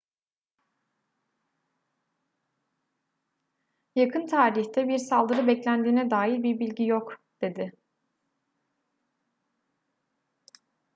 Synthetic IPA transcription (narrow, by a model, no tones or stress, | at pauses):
jakʰɯnt̪ʰaːɾiçt̪ʰɛbiɾsalˠd̪ɯɾɯbɛclʲænd̪iːnɛd̪aːjiɾbiɾbilʲɟijokd̪̥e̞d̪ɪ